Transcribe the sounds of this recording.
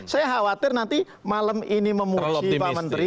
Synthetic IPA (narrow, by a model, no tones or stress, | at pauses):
sajaɦawat̪ɪrnant̪i | maləminiməmusipamənt̪ɾi